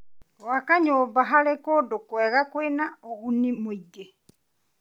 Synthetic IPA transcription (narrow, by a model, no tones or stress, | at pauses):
wakaɲoːbaɦalekodokwɛɣakwenaoɣunimuiɡe